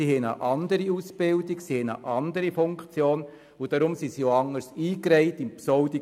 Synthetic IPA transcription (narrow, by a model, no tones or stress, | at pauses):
sihɛnə̰ʔɑndəɾiusb̥ɪldiksihɛnə̰ʔɑndəɾifʊŋkt͡sjoːn | ʊd̥aɾʊmsisioɑŋəɾsiːkɾɛɪtimpsɔʊdi